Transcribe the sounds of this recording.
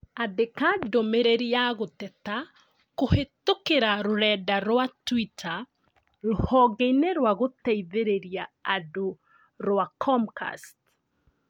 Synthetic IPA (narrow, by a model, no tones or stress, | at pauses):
aðekadomeɾeɾiaɣotɛta | kohetokeɾaɾoɾɛdaɾwatwitʰa | ɾohɔɣeineɾwaɣotɛiðeɾeɾiaːdo | ɾwakʰɔmka̰st